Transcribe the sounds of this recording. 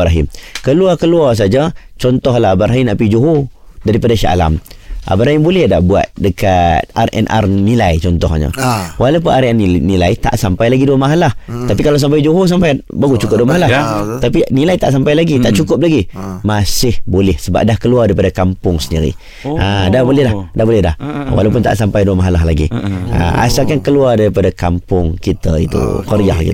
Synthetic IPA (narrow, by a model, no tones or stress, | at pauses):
ɾaɦɪ̰mkəluakəluars̬ad͡ʒət͡ʃɔnt̪ɔhlaɦabaɾaɦimnaʔpid͡ʒuɦu | daɾipadaʃa̰la̰mʔa̰baɾaɦimbolɛhdabua̰t̪̚dəkat̪̚arʔɛ̰nʔa̰rnilajt͡ʃɔnt̪ɔ̰hɲə̰walawp̬ʊnaɾiannilajt̪a̰ʔsampajlaɡiduəmaɦalaht̪apikalas̬ampajd͡ʒuɦus̬ampajbaɡut͡ʃukʊp̚duəmaɦalat̪apinilajt̪aʔsampajlaɡit̪aʔt͡ʃukʊp̚laɡimasɪhbolɛhsəba̰p̚dahkəluardaɾipadakampʊŋsəndḭɾḭ | ʔadahbolɛhlahdahbolɛhla̰hwa̰lawp̬ʊnt̪a̰ʔsampajduəmaɦalaɦlaɡḭa̰ʔa̰sakankəluardaɾipadakampʊŋkit̪ə̰ḭt̪ṵkəɾia̰hkḭ